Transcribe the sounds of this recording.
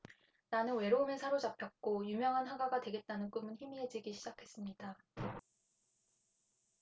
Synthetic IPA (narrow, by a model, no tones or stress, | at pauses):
nanɯnwe̞ɾoumesʰaɾod͡ʑapʰjʌk̚k͈ojumjʌŋɦanɦaɡaɡadwe̞ɡe̞t̚t͈anɯnk͈umɯnçimiɦed͡ʑiɡiɕʰid͡ʑakʰe̞s͈ɯmɲida